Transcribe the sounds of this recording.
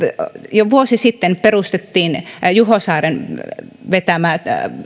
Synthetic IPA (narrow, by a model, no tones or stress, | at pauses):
joʋuosisit̪ːenperust̪et̪ːiːnjuhosɑːren | ʋet̪æmæ